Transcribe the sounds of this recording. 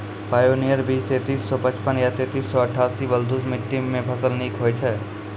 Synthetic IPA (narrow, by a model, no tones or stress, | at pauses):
paːjonijəɾbiːst̪eːt̪iːsːɔpət͡ʃpənjat̪eːt̪iːsːɔəʈʰːaːsibəld̪usmiʈːimẽpʰəsəlnikɦojt͡ʃʰɛ